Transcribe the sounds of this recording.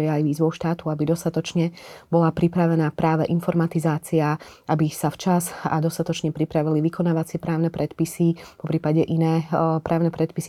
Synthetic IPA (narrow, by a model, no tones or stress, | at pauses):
jɛajʋiːzʋɔʊʃt̪aːt̪uabid̪ɔst̪at̪ɔt͡ʃɲɛbɔlapɾipɾaʋɛnaːpɾaːʋɛʔinfɔɾmat̪izaːt͡siaabisaft͡ʃaza̰d̪ɔst̪at̪ɔt͡ʃɲɛpɾipɾaʋiliʋikɔnaːʋat͡sɪɛpɾaːʊnɛpɾɛt̪pisipɔpɾiːpaɟɛʔinɛːpɾaːʊnɛpɾɛt̪̚pisi